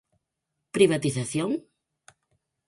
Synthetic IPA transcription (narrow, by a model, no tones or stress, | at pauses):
pɾiβ̞at̪iθaθjoŋ